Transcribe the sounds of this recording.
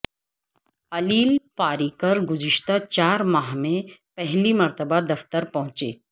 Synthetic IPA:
ɐliːlpaːɾikəɾɡʊziʃt̪at͡ɕaːɾmaɦmẽpɛɦlimɐɾt̪əbad̪ɐft̪əɾpɐɦʊ̃t͡ʃḛ

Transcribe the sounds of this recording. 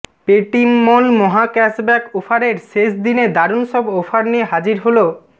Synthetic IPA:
peʈimːɔnmɔɦakɛsbɛkofʰaɾeɾʃeʃd̪ined̪aɾunʃɔbofʰaɾnieɦad͡ʑiɾɦolo

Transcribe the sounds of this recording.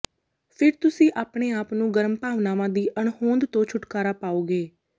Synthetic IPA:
pʰɪɾt̪ʊsĩːʔaːpɳeːaːpnũːɡəɾmpaːʋnaːʋãːd̪iːʔəɳhõːnd̪t̪õːt͡ʃʰʊʈkaːɾaːpaːoːɡeː

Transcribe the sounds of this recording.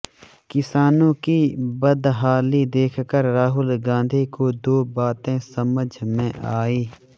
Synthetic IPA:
kɪsaːnõkibəd̪ɦaːlid̪eːkʰkəɾːaːɦʊlɡãːnd̪ʱikod̪oːbaːt̪ẽsəməd͡ʒʱmẽʔaːiː

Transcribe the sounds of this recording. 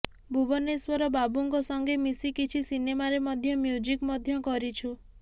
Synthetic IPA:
bʱubɔneswɔɾɔbabuŋkɔsɔŋɡemisikit͡ʃʰisinemaɾemɔd̪ʱjɔmjud͡ʒikmɔd̪ʱjɔkɔɾit͡ʃʰu

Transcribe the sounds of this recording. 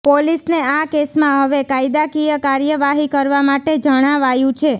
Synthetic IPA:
polisneakesmãɦəʋekaid̪akijəkaɾjəʋaɦikəɾʋamaʈed͡ʒəɽ̃aʋajũt͡ʃʰe

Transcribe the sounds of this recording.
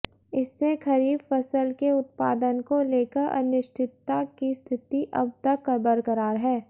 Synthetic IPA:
ɪsːekʰɐɾiːbfɐsəlkeʊt̪̚paːd̪ənkoleːkəɾʔɐ̰nɪʃʈʰɪt̪ːakist̪ʰɪt̪iʔɐ̰b̚t̪ɐkːɐbəɾkɐɾaːɾɦɛː

